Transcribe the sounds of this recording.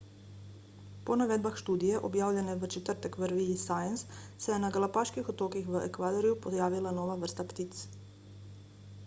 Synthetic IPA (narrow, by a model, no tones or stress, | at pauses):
po̞naʋed̪baxʃt̪uːd̪ijeʔo̰bjaːwʎeneʋət͡ʃet̪ər̩t̪əkʋəɾʋiisajensːejenaɡalapaʃkixot̪oːkixʋekʋad̪oɾijupojaːʋilanoːʋaʋr̩st̪apt̪it̪s